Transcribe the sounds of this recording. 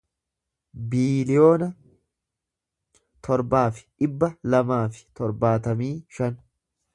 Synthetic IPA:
biːlɪjo̞ːnɐ | t̪ʰɔɾbaːfɪ̥ʔɪbːɐlɐmaːfɪ̥t̪ɔɾbaːt̪ɐmiːʃɐn

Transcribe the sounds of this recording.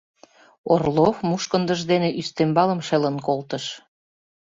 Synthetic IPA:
orlofmuʃkənd̪ə̆ʒd̪eneʔyst̪embɑlə̆mʃelənkolt̪əʃ

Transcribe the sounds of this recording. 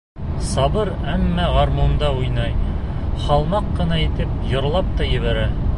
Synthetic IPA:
sɑbɤɾ | æmːæʁɑɾmond̪ɑujnɑj | χɑlˠmɑqːɤ̆nɑit̪ɘp̚jŏɾlˠɑp̚t̪ɑjɘ̆βæɾæ

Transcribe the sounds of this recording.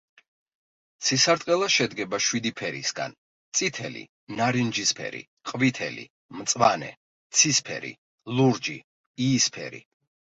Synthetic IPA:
t̪sʰisaɾt̪ʼqʼɛlˠaʃɛd̪ɡɛbaʃwid̪ipʰɛɾisɡa̰n | t̪sʼit̪ʰɛlḭ | naɾind͡ʒispʰɛ̰ɾḭ | qʼvit̪ʰɛ̰lḭ | mt̪sʼwanɛ̰ | t̪sʰispʰɛ̰ɾḭ | lˠuɾd͡ʒi | iːspʰɛ̰ɾḭ

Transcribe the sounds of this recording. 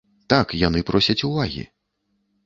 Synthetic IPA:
t̪akjanɨpɾʔɔsʲɐt͡sʲuvaɣʲḭ

